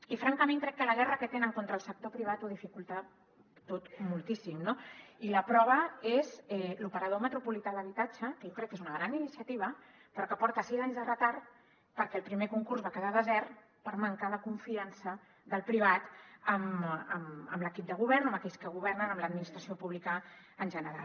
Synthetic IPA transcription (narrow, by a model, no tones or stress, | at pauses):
ifɾaŋkəmẽŋkɾɛkːələɣ̞ɛrəkət̪enəŋkont̪ɾəːlˠsək̚t̪opɾiβat̪uðifikulˠt̪a | t̪ot̪mulˠt̪isimnoiləpɾɔβ̞əezɛlupəɾəð̞omət̪ɾupulit̪aðəβit̪at͡ʃəkəjokɾɛk̚ːezunəɣɾaninisiət̪iβ̞ə | pɾɔkəpɔɾt̪əsizaɲzðərət̪aɾ | pəɾkɛːlˠpɾimekuŋkurzβakəðaðəzɛr | pəɾməŋkaðəkuɱfiansə | ðəlˠpɾiβ̞at̪əmə̰mə̰mləkip̚d̪əɣuβ̞ɛrnəməkɛʎskəɣuβ̞ɛrnənəmləd̪̚minist̪ɾəsiopuβlikəː | nʲʒənəɾa̰l